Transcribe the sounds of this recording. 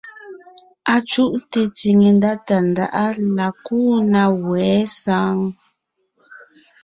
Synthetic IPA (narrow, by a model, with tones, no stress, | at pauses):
a˨t͡ʃu˦ʔn˦te˨t͡si˨ŋe˨nda˦ta˨n˨da̰˨ʔa˦la˨kuː˦˨na˨wɛː˨˦sa˦ŋ